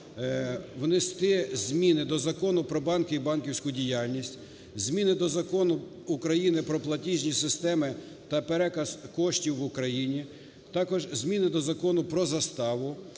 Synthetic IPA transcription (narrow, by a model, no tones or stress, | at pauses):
ʋnɪst̪ɪzʲmʲinɪd̪ɔzɐkɔnʊpɾɔbɑnkɪibɑnkʲiwsʲkʊdʲijɑlʲnʲisʲtʲ | zʲmʲinɪd̪ɔzɐkɔnʊ | ukɾɐjinɪpɾɔplˠɐtʲiʒʲnʲisɪst̪ɛmɪ | t̪ɐpeɾɛkɐskɔʃtʲiwːʊkɾɐjinʲi | t̪ɑkɔʒzʲmʲinɪd̪ɔzɐkɔnʊpɾɔzɐst̪ɑʋʊ